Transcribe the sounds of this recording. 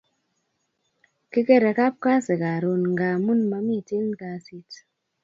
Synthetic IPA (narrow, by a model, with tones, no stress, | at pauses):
kɪ˦ke˦˨ɾa˨ka˦p̚ka˦se˨ka˨ɾo˨nŋɡa˨mu˦nma˧mi˦˨ti˦nka˨si˦t